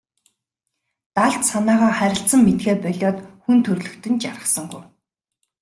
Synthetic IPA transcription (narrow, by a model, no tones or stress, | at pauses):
t̪aɮt̪sanaːʁaːχæɾʲɪ̆ɬt̪sə̆mːet̪ɡeːrpœɮʲɔːt̪xunt̪ʰɵrɮɵ̆kt̪ɵ̆nt͡ɕarə̆sə̆ŋɡujw